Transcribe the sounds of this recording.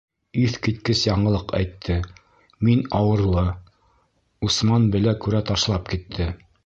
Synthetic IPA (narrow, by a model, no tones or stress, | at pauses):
iθkit̪kɘsjɑɴɤ̆lˠɤqæ̰jt̪ʰːɘ | minɑwɤ̆ɾlˠɤ | usmɑnbɘ̆lækʉɾæt̪ɑʃlˠɑp̚kit̪ʰːɘ